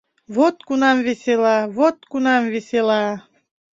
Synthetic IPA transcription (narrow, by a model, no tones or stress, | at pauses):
vot̪kunɑmvesʲelɑvot̪kunɑmveselɑ